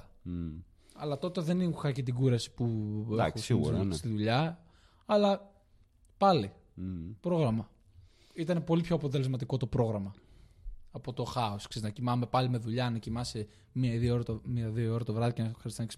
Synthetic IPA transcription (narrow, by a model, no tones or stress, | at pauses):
ɐ̰lɐt̪o̞t̪eðeniuxɐcet̪̬iɡuɾɐsi̥puexo̰st̪iðuʎɐ | ɐlɐ | pɐli | pɾo̞ɣɾɐmɐ | it̪ɐne̞po̞lipço̞ɐpo̞t̪ele̞zmɐt̪̬iko̞t̪o̞pɾo̞ɣɾɐmɐː | po̞t̪o̞xɐoskseznɐcimɐme̞pɐlime̞ðuʎɐnɐcimɐse | miɐðiooɾɐt̪omiɐðioo̞ɾɐt̪ovɾɐðicenɐxɐɾist̪inɐks